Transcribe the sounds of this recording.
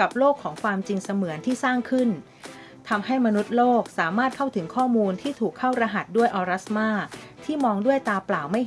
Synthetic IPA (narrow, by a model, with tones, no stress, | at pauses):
ka˨˩p̚loː˥˩kʰːɔː˩˦ŋkʰwaː˧mt͡ɕi˧ŋsa˧mɯ˨˩˦ənt̪ʰiː˥˩saː˥˩ŋkʰɯ˥˩n | t̪ʰa˧mha˥˩jma˧nu˦˥t̪̚loː˥˩k̚saː˩˦maː˥˩t̪̚kʰa˥˩wt̪ʰɯ˩˦ŋkʰɔː˥˩muː˧nt̪ʰiː˥˩t̪ʰuː˨˩kʰːa˥˩wɾa˧ɦa˨˩t̪̚du˥˩əjʔɔː˧ɾa˦˥smaː˥˩t̪ʰiː˥˩mɔː˧ŋdu˥˩əjt̪aː˧plaː˨˩wma˥˩j